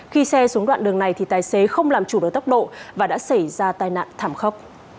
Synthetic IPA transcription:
xi˧sɛ˧su˨˦nɗwa̰ː˧˨nɗɨ˨˩əŋna˨˩jt̪ʰi˨˩t̪aː˨˩jse˨˦xə˧wŋ͡mlaː˨˩mt͡ɕu˨˧˩ɗɨː˨˩t̪ə˦˥wk͡p̚ɗo̰˧˨vaː˨˩ɗa̰ː˧˥sa˧˩jzaː˧t̪aː˧jna̰ː˧˨nt̪ʰaː˧˩mxə˦˥wk͡p̚

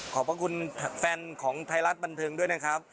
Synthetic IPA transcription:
kʰɔː˩˦pa˧kʰu˧nʰfɛː˧nkʰɔː˩˦ŋt̪ʰa˧jɾa˦˥t̪̚ba˧nt̪ʰɤː˧ŋdu˥˩əjna˦˥kʰɾa˦˥p̚

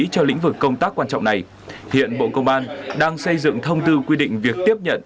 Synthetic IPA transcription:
t͡ɕɔ˧lḭ˧˥ŋ̟vɨ˨˩kːə˧wŋ͡mt̪aː˦˥kːwaː˧nt͡ɕɔ̰˧˨ŋ͡mna˨˩j | hḭ˧˨ənɓo̰˧˨kə˧wŋ͡mʔaː˧nɗaː˧ŋsə˧jzɨ̰˧˨ŋt̪ʰə˧wŋ͡mt̪ɨ˧kwi˧ɗḭ̈˧˨ŋ̟vi˨˩ək̚t̪i˦˥əp̚ɲə̰˧˨n

